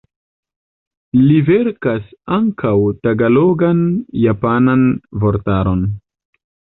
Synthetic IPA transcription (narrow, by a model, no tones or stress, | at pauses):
liveɾkasaŋkʰawtaɡalo̞ɡanjapananvo̞ɾtaɾo̞n